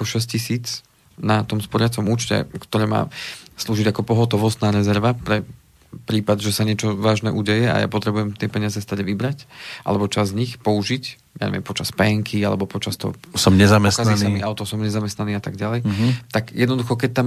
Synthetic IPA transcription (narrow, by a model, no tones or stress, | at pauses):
akɔʃɛs̬cisiːt͡s | nat̪ɔmspɔɾɪat͡sɔmuːt͡ʃcɛ̰kt̪ɔɾɛːma̰ːsluːʒiɟakɔpɔɦɔt̪ɔʋɔst̪naːɾɛzɛɾʋapɾɛ | pɾiːpad̪ʒɛsaɲɪɛt͡ʃɔʋaːʒnɛ̰ʔuɟɛjɛa̰ja̰pɔt̪ɾɛbujɛmt̪ɪɛpɛɲɪazɛst̪aɟʋibɾacʔa̰lɛbɔt͡ʃazɲixpɔuʒic | ja̰ɲɛ̰ʋjɛmpɔt͡ʃaspɛŋkʰialɛ̰bɔpɔt͡ʃast̪ɔ̰ɔsɔmɲɛzamɛstkanasamiaʊt̪ɔsɔmɲɛzamɛst̪naniːat̪aɡɟalɛjt̪aɡjɛd̪nɔd̪uxɔk̬ɛc̚t̪am